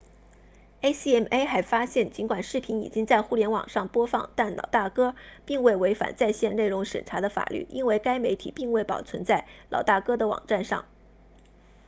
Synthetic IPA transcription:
e˥ɪsi˥ɛ˥˩me˥xa˧˥ɪfa˥ɕjɛ˥˩nt͡ɕi˧˥nkwa˨˩nʂɻ̩˥˩pʰi˧˥nḭ˨˩t͡ɕi˥ŋt͡sa˥˧ɪxu˥˩ljɛ˧˥nwɑ̰˨˩ŋʂɑ˥˩ŋpwɔ˥fɑ˥˧ŋt̪a˥˩nlɑ̰˨˩ʊt̪a˥˩kɤ˥pi˥˧ŋwe˥˩ɪwe˧˥ɪfa̰˨˩nt͡sa˥˧ɪɕjɛ˥˧nne˥˩ɪɻʊ˧˥ŋʂə̰˨˩nʈ͡ʂʰa˧˥d̪ə˧fa̰˨˩lʔy̰˥˩ʔi˥nwe˥˧ɪka˥ɪme˧˥ɪt̪ʰḭ˨˩pi˥˧ŋwe˥˩ɪpɑ˨˩ʊt͡sʰə˧˥nt͡sa˥˩ɪlɑ̰˨˩ʊt̪a˥˩kɤ˥d̪ə˨wɑ̰˨˩ŋʈ͡ʂa˥˧nʂɑ̰˥˩ŋ

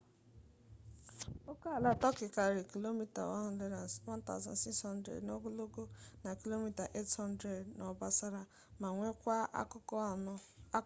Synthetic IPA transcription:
o˦ka˦a˨la˦tɔ˦kɪ˨ka˨ɾi˨ki˨lo˦mi˦ta̰˨wɔ˦le˦na˨wa˦n̩˦ta̰˨zɔ̰˨n̩˨si˦kshɔ˦n̩˦dɾḛ˨dno˦ɡo˦lo˦ɡo˦na˨ki˦lo˦mi˦ta˨ʔe˦thɔ˦n˦dɾe˨dnɔ˨ba˦sa˦ɾa˦ | ma˨ŋʷe˦kʷa˦˨˦

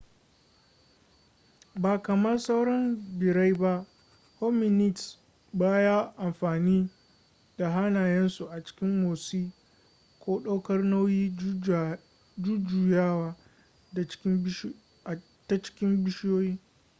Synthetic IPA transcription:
baː˨kɐ˨mɐ˦rsa˦wɽɐ˦mbɪ˨ɽa˦jba˦ʔ | ho˦mɪ˨nɪ˦˨ts | baː˦jaː˦ʔa˨mɸaː˨niː˦ | da˨ɦa˦naː˨jɛ˦nsu˨ʔa˨t͡ʃɪ̥˦kʲɪ˦mːoː˨siː˦ | kʷoː˦ɗa˦wkɐ˦rna˦wjiː˦ | d͡ʒu˦d͡ʒuː˨jaː˦waː˦˨˦ | ta˦t͡ʃɪ̥˦kʲɪ˦mbɪ˦ʃjoː˦jiː˦

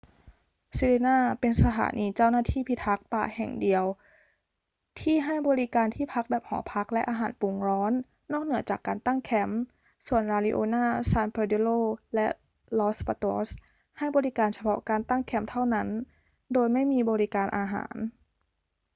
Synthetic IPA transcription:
si˧le˧naː˥˩pe˧nsa˧t̪ʰa̰ː˩˦nʔiː˧t͡ɕa˥˩wnaː˥˩t̪ʰiː˥˩pʰi˦˥t̪ʰa˦˥k̚pa̰ː˨˩hɛ̰˨˩ŋdi˨˧əw | t̪ʰiː˥˩ɦa˥˩jbɔː˧ɾi˦˥kaː˧nt̪ʰiː˥˩pʰa˦˥k̚bɛː˨˩p̚hɔ̰ː˩˦pʰa˦˥k̚lɛ˦˥ʔaː˧ɦa̰ː˩˦npu˨˩˦ŋɾɔː˦˥nː | ɔː˥˩k̚nɯ˨˩˦t͡ɕaː˨˩kːaː˧nt̪a˥˩ŋkʰɛ˧˩m | su˨˩ənɾaː˧lḭ˦˧˥ʔoː˧naː˥˩saː˧npʰa˧de˧˥loː˥˩lɛ˦˥ʔ | lɔː˧˦˥spaː˧t̪o˧˥s | ha˥˩jbɔː˧ɾi˦˥kaː˧nsa˧pʰɔ̰˦˥kaː˧nt̪a˥˩ŋkʰɛ˧˥˩mt̪ʰa˥˩wna˦˥n | doː˧jma˥˩jmiː˧bɔː˧ɾi˦˥kaː˧nʔaː˧ɦa̰ː˩˦n

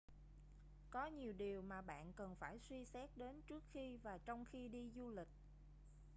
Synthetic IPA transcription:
kɔ˨˦ɲi˨˩əwɗi˨˩əwmaː˨˩ɓa̰ː˧˨nkə˨˩nfaː˧˩jswi˧sɛ˦˥k̚ɗe˨˦nt͡ɕɨ˦˥ək̚xi˧vaː˨˩t͡ɕɔ˧wŋ͡mxi˧ɗi˧zu˧lï˨˩k̟̚

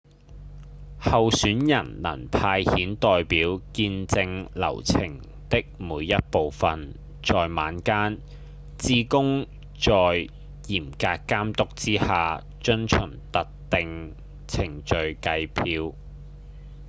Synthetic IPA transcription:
hɐ˨wsyː˨˥njɐ˨˩nlɐ̰˨˩npʰaː˧jhiː˨˥nt̪ɔː˨jpiː˨˥wkiː˧nt͡sɪ˧ŋlɐ̰˨˩wt͡sʰɪ˨˩ŋ | t̪ɪ˥k̚muː˨˧jjɐ˥t̚po˨wfɐ˨n | t͡ʃɔː˨jma̰ː˨˥nkaː˥n | t͡siː˥kʊ˥ŋ | t͡ʃɔː˨j | jiː˨˩mkaː˧kkːaː˥mt̪ʊ˥k̚t͡siː˥haː˨ | t͡ʃɵ˥nt͡ʃʰɵ˨˩ŋt̪ɐ˨k̚t̪ɪ˨ŋ | t͡sʰɪ˨˩ŋt͡ʃɵ˨ɥkɐ˧jpʰiː˧w

